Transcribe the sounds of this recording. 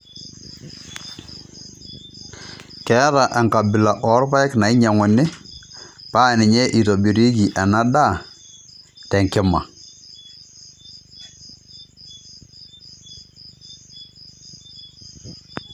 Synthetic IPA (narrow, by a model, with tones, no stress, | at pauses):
kɛ˦ða˨ʔɛ˨ŋka˨bɪ˨la˨ʔɔ˨˦ɾpa˦ɪ˦kna˨ɪ˦ɲa˨ŋɔ˨nɪ˦ | pa˦˨nɪ˨ɲɛ˦ʔi˨to˨bi˨ɾi˦ki˨ʔa˨na˦ɗa˦˨ | tɛ˨ŋkɪ˦ma̰˨